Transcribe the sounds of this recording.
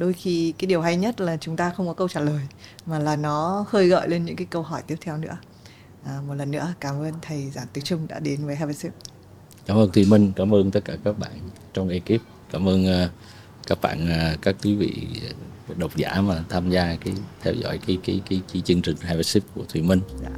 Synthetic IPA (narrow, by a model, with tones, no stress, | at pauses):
ɗo˧jxi˧kaː˨˦jɗi˨˩əwɦa˧jɲə˦˥t̚laː˨˩t͡ɕʊ˨˦ŋ͡mt̪aː˧xə˧wŋ͡mkɔ˨˦kə˧wt͡ɕaː˧˩ləː˨˩jmaː˨˩laː˨˩nɔ˨˦xəː˧jɣɔ̰˧˨jle˧nɲɨ̰˧˥ŋkaː˨˦jkə˧wɦɔ˧˩jt̪i˦˥ət̪ʰɛ˧wnɨ̰˧˥ə | ʔaː˨˩m˨˩t̚lə˨˩nːɨ̰˧˥əkaː˨˦mʔəː˧nt̪ʰə˨˩jzaː˧˩nt̪i˨˦t͡ɕʊ˧ŋ͡mɗa̰ː˧˥ɗe˨˦nvəː˨˦jɦaː˧vɛ˦˥si˦˥p̚ | kaː˨˦mʔəː˧nt̪ʰwi˧˩mï˧ŋ̟kaː˨˦mʔəː˧nt̪ə˦˥t̚kaː˧˩kaː˦˥k̚ɓa̰ː˧˨n | t͡ɕɔ˧wŋ͡mʔe˧ki˦˥p̚kaː˧˩mʔəː˧nː˧ | kaː˦˥k̚ɓa̰ː˧˨naː˨˩kaː˦˥kːwi˨˦vḭ˧˨ | ɗə˨˩wk͡p̚za̰ː˧˩˥maː˨˩t̪ʰaː˧mzaː˧kaː˨˦jt̪ʰɛ˧wzɔ̰˧˥jkaː˨˦jkiː˨˦ki˨˦kt͡ɕi˨˦t͡ɕɨ˧əŋt͡ɕï˨˩ŋ̟haː˧vɛ˦˥si˦˥p̚ku˧˩ət̪ʰwi˧˩mï˧ŋ̟a˧˨